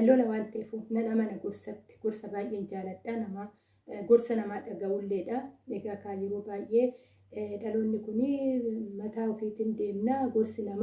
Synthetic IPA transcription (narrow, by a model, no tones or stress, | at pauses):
ɐlːoːlɐwaːnt̪ɛfunɐnɐmɐnɐɡɔɾsɐt̪ːɪ̥ɡ̥ɔɾsɐbaːjʔeːnd͡ʒaːlɐᶑːaːnɐmaː | ɡɔɾsɐnɐmaːᶑɐɡɐʔʊlːeːᶑɐɛɡakaːjɪɾuːbaːjʔːe̞ː | ᶑɐloːnːɪkʊnɪmɐt̪aːʊfiːt̪ɪnd̪e̞ːmnaɡɔɾsɪnɐm